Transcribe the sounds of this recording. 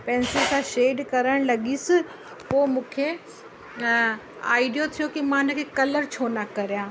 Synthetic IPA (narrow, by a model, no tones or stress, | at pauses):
pɛ̃ːnsikãːʃeːɖkɐɾəɽ̃lɐɠisɪ̃ | poːmũːkʰe | a̰ːiɖijot̪ʰijokimãɪnə̆kʰeːkɐləɾt͡ɕʰoːnɐkɐɾijãː